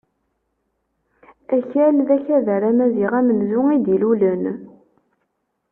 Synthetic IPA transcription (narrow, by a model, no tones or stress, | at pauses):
æçælðæçæðəɾæmæziʁæmənzʊŋid̪ilulən